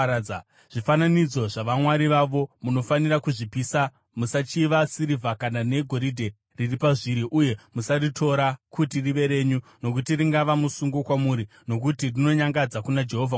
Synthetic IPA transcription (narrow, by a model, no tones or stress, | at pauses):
a | ʐ̥ifananid͡zo̞ʐaʋamwaɾiʋaʋo̞muno̞faniɾakuʐipisa | musat͡ʃiʋasiɾivʱakanane̞ɡʱo̞ɾidʱe̞ | riripaʐiɾiʔuje̞musaritʰo̞ɾakutiriʋe̞ɾe̞ɲuno̞k̬utiriŋɡaʋamusuŋɡokwamuɾi | no̞k̬utirino̞ɲaŋɡad͡zakunad͡ʒe̞ɦovʱa